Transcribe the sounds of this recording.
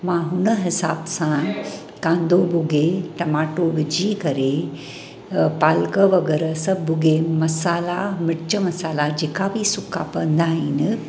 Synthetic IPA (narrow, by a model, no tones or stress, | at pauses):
mãɦʊnəɦɪsaːbsã | kãːnd̪ʱobʊɡʱeʈɐmaːʈoʋɪd͡ʑʱikɐɾe | paːlkəʋɐɡeɾəsɐbʱʊɡʱemɐsaːlamɪɽt͡ɕəmɐsaːlad͡ʑeːkabʱisʊkʰapɐ̃nd̪aːɦiːnɪ̆